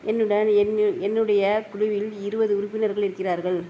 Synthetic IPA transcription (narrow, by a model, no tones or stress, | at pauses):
ʔɛnːɯɽɐnɛnːɛnːɯɽɐjɐkʊɻʊʋɪlɪɾɯbɐðɯʊɾʊpːɪnɐɾɣɐɭɪɾɯkːɪraːɾɣɐɭ